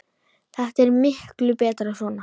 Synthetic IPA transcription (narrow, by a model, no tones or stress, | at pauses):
θɛht̪ɛɾmɪhklʏpɛːt̪ɾasvɔːna